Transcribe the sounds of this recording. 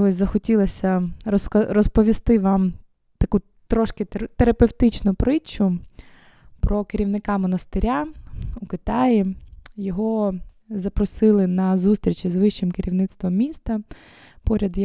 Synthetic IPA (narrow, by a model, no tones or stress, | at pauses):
ɔsʲzɐxɔtʲilˠɐsʲɐsɐrɔspɔʋʲist̪ɪʋɑm | t̪ɐku | t̪ɾɔʃkɪt̪eɾɐpewt̪ɪt͡ʃnʊpɾɪt͡ʃːʊ | pɾɔkɪɾʲiwnɪkɑmɔnɐst̪ɪɾʲaukɪt̪ɑjijɔɦɔ | zɐpɾɔsɪlˠɪnɐzust̪ɾʲit͡ʃizʋɪʃt͡ʃɪmkɪɾʲiwnɪt̪st̪ʋɔmːʲist̪ɐ | pɔɾʲɐd̪j